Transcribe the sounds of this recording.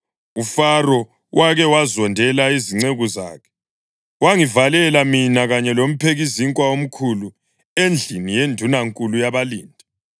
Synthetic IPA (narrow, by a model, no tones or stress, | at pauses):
ufarɔ | wʔaɣɛwazɔndʱɛlaiziŋ͡ǀeɣuza̰ːkʰɛ̥ | waŋivalɛlaminaɣaɲɛlom̩pʰeɣiziŋkʼwaom̩kʰulu | end͡ɮʱinijendʱunaŋkʼulujaβalḭːndʱi